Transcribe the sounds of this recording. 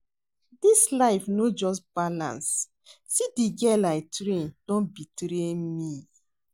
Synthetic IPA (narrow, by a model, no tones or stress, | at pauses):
dislaɪfnod͡ʒɔstb̥alã̰ns | sidiɡɛlaɪtɾẽnd̥ɔ̃nbitɾemi